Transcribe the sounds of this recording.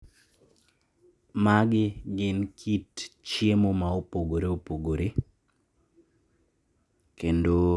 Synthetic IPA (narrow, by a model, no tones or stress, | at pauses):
maɡɪɡɪnkʰitt͡ʃjemomaopoɡoɾeopoɡoɾe | kendo